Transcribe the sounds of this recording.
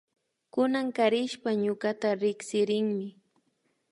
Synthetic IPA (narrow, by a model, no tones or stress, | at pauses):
kʊnaŋkaɾɪʃpaɲʊkat̪aɾɪksɪɾɪŋmɪ